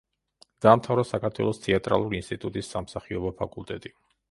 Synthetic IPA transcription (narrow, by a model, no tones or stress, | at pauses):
d̪̥aːmt̪ʰavɾɔsakʰaɾt̪ʰwɛ̰lˠɔst̪ʰɛat̪ʼɾa̰lˠuɾiːnst̪ʼit̪ʼut̪ʼisːamsaχiɔbɔpʰakʼulˠt̪ʼɛt̪ʼi